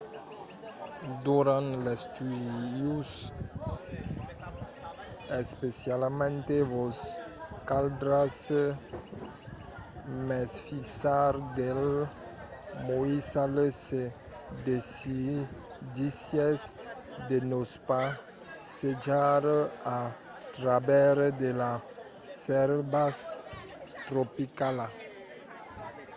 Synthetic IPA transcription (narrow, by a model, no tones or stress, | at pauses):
d̪uɾãnt̪lest̪ydjus | espesjalmẽnt̪evos | kald̪ɾas | mesfisaɾd̪el | moisalese | d̪esi | d̪isjɛst̪ | d̪enospa | sed͡ʒaɾa | t̪ɾabɛɾd̪ela | sɛɾbas | t̪ɾopikala